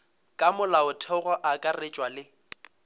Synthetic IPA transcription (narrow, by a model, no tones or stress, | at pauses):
kʼamʊlaʊtʰɛɣɔʔakʼaret͡ʃʼwalɪ